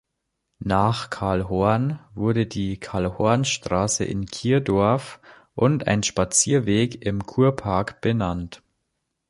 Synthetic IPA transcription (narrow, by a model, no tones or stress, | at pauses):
naːχkʰaɐlɦɔɐnvʊɐdədiːkʰaɐlhɔɐnʃtʁ̥aːsə̰ʔɪ̰nkʰiːɐdɔɐf | ʔʊnta̰ɪnʃpat͡siːɐveːkɪmkʰuːɐpʰaɐkb̥ənant